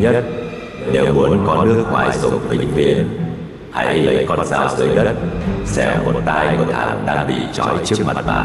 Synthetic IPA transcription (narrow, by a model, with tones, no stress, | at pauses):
ɲə˦˥t̚ | ɗe˨˦˩wmu˨˦ənkɔ˨˦nɨ˦˥ək̚ŋwaː˧˩jzʊ̰˨˩ŋ͡mt̪ï˨˧˩ŋ̟vi˧˩ən | ha̰˧˩jlə˨˩jkɔ˧nzaː˧˩wsəː˨˦jɗə˦˥t̚sɛ̰˧˥mo˨˩t̚t̪aː˧jku˧˩t̪ʰa̰ː˨˩ŋɗaː˧ŋɓḭ˧˨t͡ɕɔ˨˦jt͡ɕɨ˦˥ək̚ma˨˩t̚ɓa̰ː˧˨˩n